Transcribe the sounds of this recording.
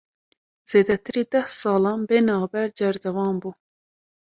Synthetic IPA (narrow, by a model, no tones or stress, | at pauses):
z̥eːd̪ɛt̪ʰɨɾiːd̪ɛhsɑːlɑːnbeːnɑːbɛɾd͡ʒɛɾd̪ɛvɑːnbuː